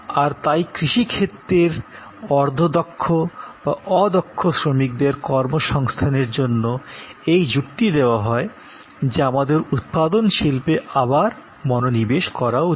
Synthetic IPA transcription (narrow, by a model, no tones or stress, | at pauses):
aɾt̪ajkɾiʃikʰet̪ːɾeɾ | ɔɾd̪ʱod̪ɔkʰːob̥aʔɔd̪ɔkʰːosɾomik̚d̪eɾkɔɾmoʃɔŋst̪ʰaneɾd͡ʑonːoejd͡ʑukt̪id̪eoaɦɔe | d͡ʑeamad̪eɾut̪̚pad̪onʃilpeʔabaɾ | mɔnonibeʃkɔɾa